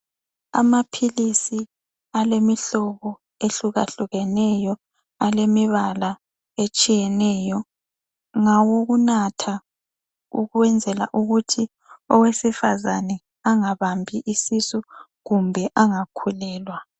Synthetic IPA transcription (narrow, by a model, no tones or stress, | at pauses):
a̰mapʰilisi | alemiɬɔɣɔ | eɬuɣaɬuɣɛnɛjɔ | alemiβala | et͡ʃʼijɛnɛjɔ | ŋawoɣunatʰa | ṵɣuwɛnd͡zʱɛla̰ʔuɣutʰi | ɔwesifazanɛ | aŋaβambʱiʔisisu | ɣumbʱɛʔaŋakʰulɛːlwa